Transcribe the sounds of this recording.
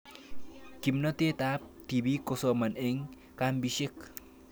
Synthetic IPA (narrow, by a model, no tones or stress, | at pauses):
kimnot̪et̪ap̚t̪ibikosomaneŋ | kambiʃik